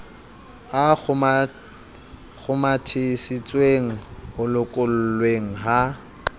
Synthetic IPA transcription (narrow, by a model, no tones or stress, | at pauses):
aʊ | k͡xʰʊmatʰɪsit͡sʼweŋ̩hʊlʊkʼʊl̩lweŋ̩ɦa